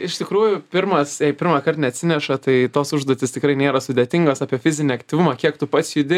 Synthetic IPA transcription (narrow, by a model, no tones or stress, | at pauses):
ɪʃt̪ʲɪkɾuːjʊpʲɪrmɐsjɛɪpʲɪɾmɐkɐrt̪nʲɛɐt̪ʲsʲɪnʲɛʃɐt̪ɐɪt̪oːsʊʒd̪oɔt̪ʲɪst̪ʲɪkɾɐɪnʲeːɾɐsʊd̪ʲeːt̪ʲɪŋɡoːsɑːpʲiɛfʲɪzʲɪnʲɪɐkt̪ʲiːʋʊmɐkʲiɛkt̪ʊpɐt̪sʲjʊd̪ʲɪ